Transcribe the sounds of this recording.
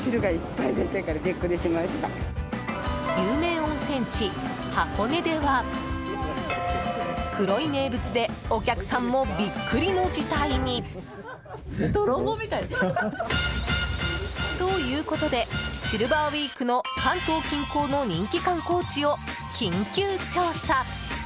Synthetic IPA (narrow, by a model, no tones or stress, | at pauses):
ɕiɾɯ̟ɡaipːaid̪et̪ekaɾaɡʲekːɯd̪eɕimaɕi̥t̪a | jɯːmẽ̞ːõ̞nsẽ̞ɲ̟t͡ɕi | hako̞ne̞d̪e̞βa | kɯ̟ɾo̞ime̞ːbɯ̟t͡sɨd̪e̞o̞kʲakɯ̟̥sãmːo̞bʲikʰːɯ̟ɾʲino̞d͡ʑit̪aiɲ̟i | omʲit̪a | t̪o̞jɯ̟ːko̞t̪o̞d̪e̞ɕiɾɯ̟baβiːkɯ̟no̞kãnt̪o̞ːkʲĩŋko̞ːno̞ɲ̟ĩŋkʲikãŋko̞ːt͡ɕio̞ | kʲʰĩŋkʲɯːt͡ɕosa